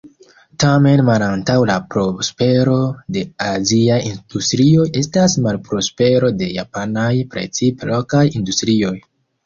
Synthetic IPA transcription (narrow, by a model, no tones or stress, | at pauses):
tame̞nmalantawlapɾo̞spe̞ɾo̞de̞aziajind̥ustɾio̞je̞stasmalpɾo̞spe̞ɾo̞de̞ja̰panajpɾe̞̰t͡siplokajindustɾio̞j